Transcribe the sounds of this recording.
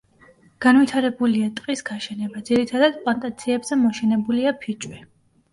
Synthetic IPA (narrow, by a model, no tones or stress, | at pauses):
ɡ̥anvit̪ʰaɾɛbuliat̪ʼqʼisɡaʃɛnɛbad̪ziɾit̪ʰad̪ad̪̥pʼlˠant̪ʼat̪sʰiɛbzɛmɔʃɛnɛbuliapʰit͡ʃʼwi